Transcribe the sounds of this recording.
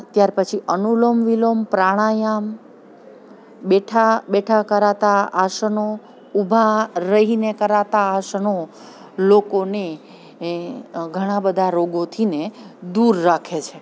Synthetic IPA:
t̪jaɾpət͡ʃʰiʔənulomʋilompɾaɽ̃ajam | beʈʰabeʈʰakəɾat̪aaʃəno | ubʱaɾəɦinekəɾat̪aːʃno | lokone | ɡʱəɽ̃ãbəd̪ʱaɾoɡot̪ʰined̪uɾːakʰet͡ʃʰe

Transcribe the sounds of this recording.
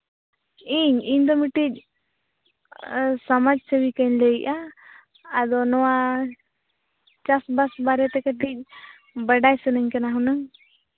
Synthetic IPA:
iɲiɲd̪ɔmiʈic̚ˀ | samad͡ʒsəwikaɲleiʔaː | d̪ɔnɔwa | t͡ʃasbasbaɾɛt̪ɛkəʈic̚ˀ | bəɖajsənəɲkanaɦunaŋ

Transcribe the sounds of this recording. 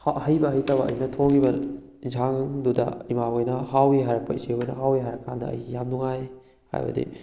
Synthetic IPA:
hɐjbɐɦɐjtɐbɐɐ̰jnɐtʰoŋibɐ | zaŋdudɐ̰imaojnɐɦawiɦajɾɐk̚pɐiseojnɐɦawiɦajɾɐkːandɐɐ̰jjamduŋaj | ha̰jbɐ̰dḭ

